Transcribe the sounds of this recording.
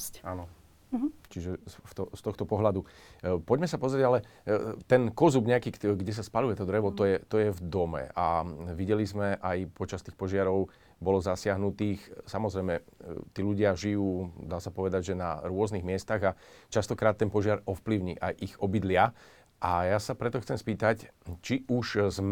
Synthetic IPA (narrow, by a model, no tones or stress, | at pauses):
anɔ | t͡ʃiʒɛsft̪ɔst̪ɔxt̪ɔpɔɦlad̪upɔɟmɛsapɔzɾɛɟalɛt̪ɛnkɔzubɲɛakiːɡɟɛs̬aspalujɛt̪ɔd̪ɾɛʋɔt̪ɔjɛt̪ɔjɛvd̪ɔmɛ̰aʋiɟɛlizmɛʔajpɔt͡ʃast̪iːxpɔʒɪaɾɔʊ | bɔlɔzasɪaɦnut̪iːxsamɔzɾɛjmɛt̪iːluɟɪaʒijuːd̪aːsapɔʋɛd̪aɟʒɛna̰ɾʊɔzniɣmɪɛst̪aɣat͡ʃast̪ɔkɾaːt̪ːɛnpɔʒɪaɾɔfpliʊɲḭːʔa̰jʔiɣɔbid̪lɪa | ʔajasapɾɛt̪ɔxt͡sɛmspiːt̪act͡ʃiʔuʃz